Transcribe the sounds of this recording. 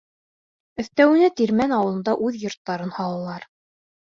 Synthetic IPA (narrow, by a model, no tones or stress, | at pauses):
ɵ̆θt̪æwɘ̆næt̪iɾmænɑwɤ̆ɤ̆nd̪ɑʔʉðjŏɾt̪ːɑɾɤnhɑlˠɑlˠɑɾ